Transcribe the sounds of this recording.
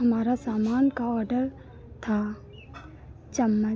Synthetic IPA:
ɦɐmaːɾasaːmaːnkaɔːɾɖəɾ | t̪ʰa | t͡ʃəmːə

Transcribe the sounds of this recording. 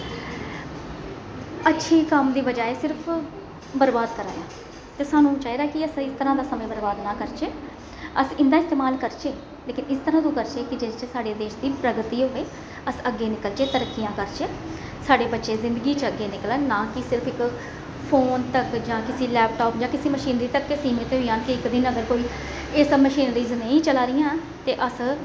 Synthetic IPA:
ətːʃʰiːkəmd̪iːbəd͡ʒaːeːsɪɾpʰ | bəɾbaːd̪kəɾã̰ːjãː | t̪eːsaːnũːt͡ʃaːiːd̪aːkɪəsɪst̪əɾãːd̪aːsəmẽːbəɾbaːd̪nãːkəɾt͡ʃeː | əsɪ̃nd̪aːɪst̪eːmaːlkəɾt͡ʃeː | leːkɪnɪst̪əɾãːt̪ũːkəɾt͡ʃeːkɪd͡ʒeːt͡ʃsaːɖeːd̪eːʃd̪iːpɾəɡt̪iːɦoːeː | əsəɡːeːnɪkəlt͡ʃeːt̪əɾəkːijãːkəɾt͡ʃeː | saːɖeːbətːʃeːzɪ̃nd̪əɡiːt͡ʃəɡːeːnɪklənãːkɪsɪɾpʰɪk | pʰoːnt̪əkd͡ʒãːkɪsiːlɛːp̚ʈoːpd͡ʒãːkɪsiːməʃiːnɾiːt̪əkːɪsiːmeːt̪eːɦoiːɦaːnkɪɪkd̪ɪnəɡəɾkoːiː | ɪsməʃiːnɾiːznəĩːt͡ʃəlaːɾɪjãː | t̪eːʔəs

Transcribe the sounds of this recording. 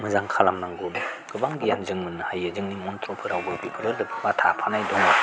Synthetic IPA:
mɯzaŋkʰalamnaŋɡunɡ̥ɯbaŋɡijanzɯŋmɯnhajazɯŋnimɔntɾɔpʰɯɾawɡɯpipʰɯɾɯɾdɯpʰɯbatʰapʰanajdɔŋɔ

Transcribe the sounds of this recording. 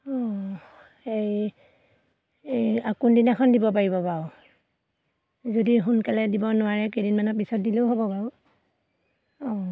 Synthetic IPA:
ɔ | ej | ejakundinakʰɔndibɔp̬aɹibɔbaʊ | zodiɦunkalɛdibɔnʊwaɹɛkedinmanɔpisɔt̚dileʊɦobɔbaʊ | ɔ

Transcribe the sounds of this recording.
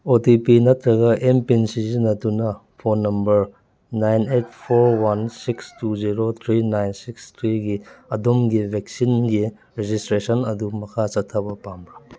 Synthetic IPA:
otipinɐtɾɐɡɐʔempinsizinɐtːunɐ | pʰonːɐmbɐɾ | najnet̚ʰpʰoɾwansikstuziɾot̪ʰɾinajnsikst̪ʰɾiɡiɐdomɡibʱek̚sinɡi | ɾed͡ʒistɾesɐnɐdumɐkʰat͡ʃɐtʰːɐbɐpambɾa

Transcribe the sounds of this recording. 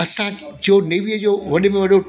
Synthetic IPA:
ɐsãd͡ʑoneːʋiəd͡ʑoːʋɐɗɪ̆mẽʋɐɗo

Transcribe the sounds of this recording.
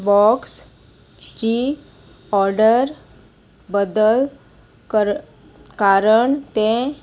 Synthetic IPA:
bɔks | d͡ʑi | ɔɾɖəɾ | bəd̪əl | kə | kaɾəɳt̪ẽ

